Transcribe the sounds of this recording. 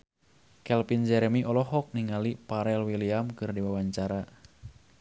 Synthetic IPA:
kɛlpind͡ʒɛɾɛmiʔɔlɔɦɔk̚niŋalipaɾɛlwiliamkɨrdiwawaɲt͡ʃaɾa

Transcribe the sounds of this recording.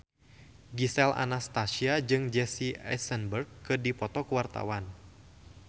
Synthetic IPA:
ɡisɛla̰nast̪asiad͡ʒɨŋd͡ʒɛsiɛ̰sənbərɡkːɨdipɔt̪ɔkuwart̪a̰wan

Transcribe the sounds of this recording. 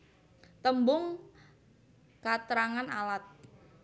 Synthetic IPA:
t̪əmbʊŋ | kat̪əɾaŋanalat̪̚

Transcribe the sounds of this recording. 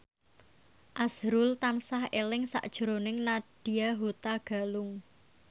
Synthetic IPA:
ʔasɾʊlt̪ansahelɪŋsa̰ʔd̥ʒ̥ə̤ɾonɪŋnaɖ̥i̤aɦut̪aɡ̥a̤lʊŋ

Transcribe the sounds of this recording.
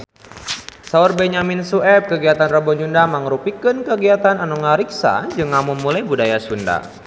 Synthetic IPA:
saurbɛɲaminsuʔɛp̚kəɡiat̪anrabɔd͡ʒundamaŋɾupikɨnkəɡiat̪ananɔŋaɾiksa̰d͡ʒɨŋamumulajbudajasunda̰

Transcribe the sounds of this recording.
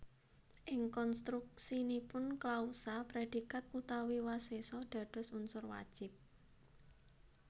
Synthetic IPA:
ʔɪŋkɔnst̪ɾuk̚sinipʊnklausapɾed̥i̤kat̪̚ut̪awiwasesɔɖ̥a̤ɖ̥ɔ̤sunsʊrwa̰d̥ʒ̥ɪp̚

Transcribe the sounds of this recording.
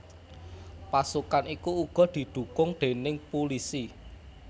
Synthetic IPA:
pasukanikuːɡ̥ɔ̤d̪̥i̤d̪̥ṳkʊŋd̪̥e̤nɪŋpulisi

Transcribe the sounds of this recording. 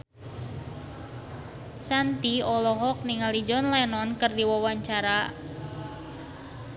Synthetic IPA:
sant̪iɔlɔɦɔk̚niŋalid͡ʒɔnlɛnɔnkɨrdiwɔwaɲt͡ʃaɾa

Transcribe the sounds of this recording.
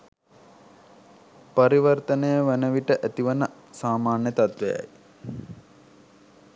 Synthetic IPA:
pɐɾiʋərt̪ənəjəʋænəʋiʈəʔæt̪iʋənə | saːmaːnjət̪at̪ʋḛja̰j

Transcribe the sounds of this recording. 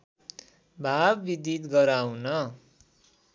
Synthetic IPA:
bʱabːid̪it̪ɡʌɾawnʌ

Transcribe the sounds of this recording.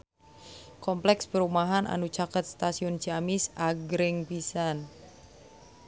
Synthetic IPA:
kɔmplɛkspəɾumaɦanʔa̰nut͡ʃakət̪̚st̪asiʊnd͡ʒiamɪsaɡɾɪŋpisan

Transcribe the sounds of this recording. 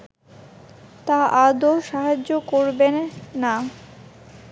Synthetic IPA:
t̪aʔad̪oʃaɦad͡ʑokoɾbenːa

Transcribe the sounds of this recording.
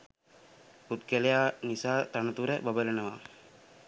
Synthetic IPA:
put̪̚kəlejaːnisaːt̪anət̪uɾəbabələnəʋaː

